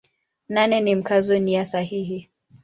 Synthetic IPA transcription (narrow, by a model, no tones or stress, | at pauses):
nanɛnim̩kazɔnijasahiɦi